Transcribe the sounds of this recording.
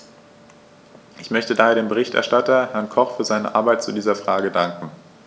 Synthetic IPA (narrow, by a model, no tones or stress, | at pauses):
ʔɪçmœçtədaːheːɐdeːmbəʁ̞ɪçtɛ̰ɐʃtatɐhɛɐnkʰɔχfyːɐzaɪnə̰ʔa̰ɐbaɪt̚t͡sudiːzɐfʁ̥aːɡədaŋkŋ̩